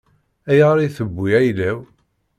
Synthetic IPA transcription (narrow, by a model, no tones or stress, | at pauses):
æjəʁɾiθəbːiæjlæw